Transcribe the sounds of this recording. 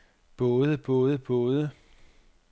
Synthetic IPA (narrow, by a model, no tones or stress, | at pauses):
b̥ɔ̽ːðˠəb̥ɔ̽ːð̞ˠəb̥ɔ̽ːð̞ˠə